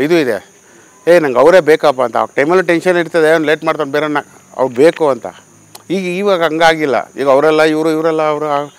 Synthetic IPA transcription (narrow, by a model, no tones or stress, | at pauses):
id̪uid̪ḛ | eːnɐŋɡɐʋɾeːbeːkɐp̬ːaːnt̪ɐa̰ʋɐɡ̚ʈɐjmɐlːɐʈenʂɐniɾt̪ɐd̪enleːʈmaːɖt̪onbeɾena | ɐ̰ʋɾbeːkuɐnt̪ʰɐ̰ | iːɡiːʋaɡɐŋɡaːɡilːɐ̰ḭːɡɐʋɾɛlːɐiʋɾuiʋɾɛlːɐːʋɾuaɡ